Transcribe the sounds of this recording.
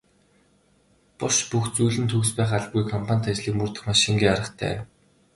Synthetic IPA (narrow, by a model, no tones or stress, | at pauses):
pʊʃpuxt͡sujɮɘ̆nt̪ʰɵɣspæːχaɮpɡujkʰɔmpʰanʲt̪at͡ɕɮiːkmɵrt̪ə̆χmaʃĭŋɡiːaɾə̆χt̪ʰæ̰ː